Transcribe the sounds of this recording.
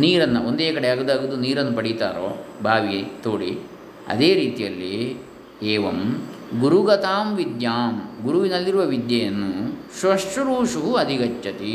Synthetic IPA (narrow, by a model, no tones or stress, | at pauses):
niːɾɐnːɐond̪eːkɐɽeaːɡod̪aːɡud̪ːuniːɾɐnːɐpɐɽit̪a̰ːɾo̰ːbʱaːʋit̪oːɽi | ɐ̰d̪eːɾiːt̪ijɐlːi | eːʋɐ̰mɡuɾuɡɐt̪aːmʋid̪jaːmɡuɾuʋinɐlːiɾuʋɐʋid̪jɐjɐnːusʋɐʂʈɐɾuːʂuɦuɐd̪ʱiɡɐt͡ʃːt͡ʃɐt̪i